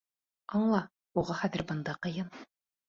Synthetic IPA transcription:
ɑɴlˠɑ | uʁɑχæðɘɾbɤ̆nd̪ɑqɤ̆jɤn

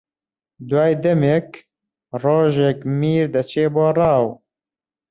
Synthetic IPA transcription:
d̪waːjd̪ɐmek | roːʒeːkmiːɾd̪ɐt͡ʃʰeːboːrɑːw

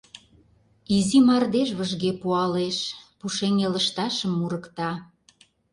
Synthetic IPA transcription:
izimɑrd̪eʃβəʒɣepuɑleʃpuʃeŋeləʃt̪ɑʃəmːuɾə̆kt̪ɑ

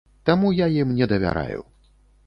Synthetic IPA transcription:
t̪amujajimnʲɛd̪ɐvʲa̰ɾa̰jṵ

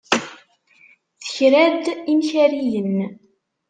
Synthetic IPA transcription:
θə̥çɾæd̪imçæɾijən

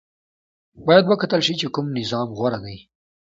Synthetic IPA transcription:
bɑjad̪wəkat̪əlʃit͡ʃekʊmnɪzɑmɣwaɾad̪aj

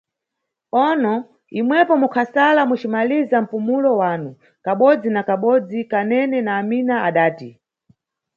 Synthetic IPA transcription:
ɔnɔ | imwɛpɔmukʰasalamut͡ʃimalizam̩pumulɔwanu | kaɓɔd͡zinakaɓɔd͡zikanɛnɛnaːminaaɗaːti

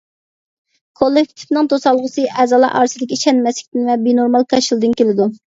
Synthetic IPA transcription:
kʰolˠːek̚ʲt̪ʰi̥fnɨŋt̪ʰosɑlˠʁəsɨʔɛzɑːlˠɑ̰ʔɑɾsɨd̪ɪkʲiʃʰɛnmɛsɪkʲt̪ʰɪnvɛbenoɾmɑlˠkʰɑʃilˠɨd̪ɨnkʲelɪd̪u

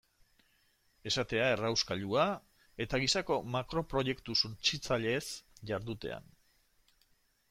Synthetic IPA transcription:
e̞sat̪e̞ae̞rawskaʎua | e̞t̪aɣisako̞makɾo̞pɾo̞ʝe̞kt̪usunt͡sit͡saʎe̞sʝaɾðut̪e̞̰a̰n

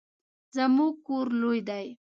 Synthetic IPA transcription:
zamuɡ̚koɾlojd̪aj

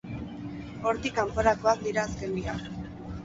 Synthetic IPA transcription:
o̞ɾt̪ikampoɾako̞akd̪iɾaaske̞nb̪ia

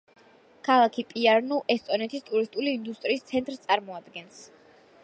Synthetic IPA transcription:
kʰalˠakʰipʼiaɾnuʔɛst̪ʼɔnɛt̪ʰist̪ʼuɾist̪ʼuliːnd̪ust̪ʼɾiːst̪sʰɛnt̪ʼɾst̪sʼaɾmɔad̪ɡɛns

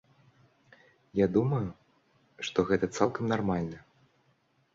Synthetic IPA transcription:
jad̪umɐju | ʂt̪ɔɣɛt̪ɐt̪salˠkɐmnarmalʲnɐ

